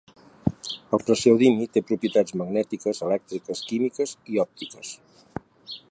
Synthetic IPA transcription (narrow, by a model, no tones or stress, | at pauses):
əlˠpɾəsɛwðimit̪epɾupjət̪ad͡zməɡnɛt̪ikəzəlɛk̚t̪ɾikəskimikəziɔp̚t̪ikəs